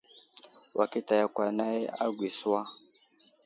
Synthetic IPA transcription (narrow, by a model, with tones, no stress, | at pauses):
wʔa˨ki˦ta˨ja˨kwa˨na˦ɛ˦a˦ɡwi˨swa˦